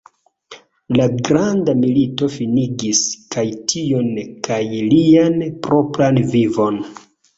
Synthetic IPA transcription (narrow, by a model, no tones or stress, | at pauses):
laɡɾandamilito̞finiɡiskajtʰio̞nkajlianpɾo̞pɾanvivo̞n